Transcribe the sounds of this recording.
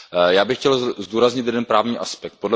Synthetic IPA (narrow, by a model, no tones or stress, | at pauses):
jaːbɪxcɛlzduːɾazɲɪt̪̬jɛdɛnpɾaːvɲiːʔaspɛk̚t̪̚podl